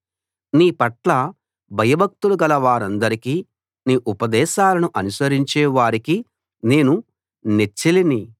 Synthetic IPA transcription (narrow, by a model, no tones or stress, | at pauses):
niːpɐʈlɐ | bʱɐjɐbʱɐk̚t̪uluɡɐlɐʋaːɾɐnd̪ɐɾikiː | niːʔupɐd̪ɛːʃaːlɐnuʔɐnusɐɾiɲt͡ʃɛːʋaːɾiki | ne̞ːnu | net͡ʃːilini